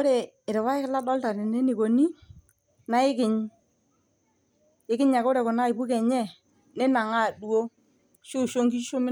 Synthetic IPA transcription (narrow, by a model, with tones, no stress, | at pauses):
o˦ɾe˨ | ɾɪ˨wa˦ɪ˦kɪ˦la˦dɔ˦lta˨ne˨ne˦ni˨ko˨ni˦ | na˦ɪ˦kɪ˨ɲ | ɪ˦kɪ˦ɲa˨ko˦ɾe˨kʊ˨na˦ɪ˨pu˦kɛ˨ɲɛ˦ | ne˦na˨ŋa˦˨du˦o˦ | ʃʊ˦˨ʃo˦ŋɡi˦ʃo˦mɪ˦